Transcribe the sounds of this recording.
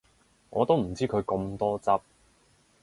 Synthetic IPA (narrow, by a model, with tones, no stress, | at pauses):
ŋʔɔ̰ː˨˧t̪o˥wm̩˨˩t͡siː˥kʰɵ˨˧ɥko˧mt̪ɔː˥t͡sɐ˥p̚